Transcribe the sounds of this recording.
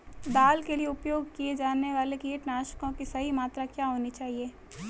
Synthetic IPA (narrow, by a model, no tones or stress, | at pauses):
d̪aːlkelieʊpjoːɡkied͡ʒaːnːeʋaːlekeːʈnaːʃkõkisɐɦimaːt̪ɾakjaːɦoːnit͡ʃaːɦieː